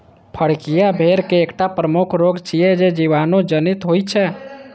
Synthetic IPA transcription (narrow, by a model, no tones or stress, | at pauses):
pʰəɽkijabʱeɾkeːkʈapɾəmukʰɾoɡt͡ʃʰijɛd͡ʒed͡ʒiʋanod͡ʒənit̪ɦojt͡ʃʰɛ